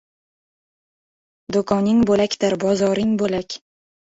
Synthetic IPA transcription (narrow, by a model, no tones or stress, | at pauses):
d̪okʰɒnɪŋbolakʲd̪ɪɾbɒzɒɾɪŋbolakʲ